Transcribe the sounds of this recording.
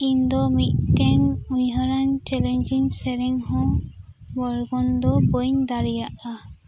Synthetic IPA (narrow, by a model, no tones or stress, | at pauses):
ind̪ɔmittɛŋujɦɔɾant͡ʃɛlɛnd͡ʒiŋsɛɾiŋhɔ̃ | bɔɹɡɔnd̪ɔbɔjnd̪aɾijaʔa